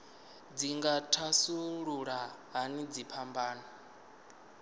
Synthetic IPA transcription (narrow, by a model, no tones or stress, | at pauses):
d͡ziŋɡatʰasuɺuɺaɦanid͡zipʰambaːna